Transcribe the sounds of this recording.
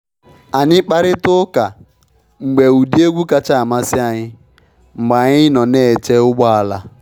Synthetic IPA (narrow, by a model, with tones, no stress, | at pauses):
a˨ɲɪ˦k͡pa˦ɾɪ˦tʊ˦ka˨ | ŋ͡m̩˨ɡ͡be˨u˨di˦e˦ɡʷu˦ka˦t͡ʃa˦˨ma˦sɪ˦a˨ɲɪ˦ | ŋ͡m̩˨ɡ͡ba˨ɲɪ˦nɔ˨ne˦˨t͡ʃe˦ʊ˦ɡ͡bɔ˦a˨la˦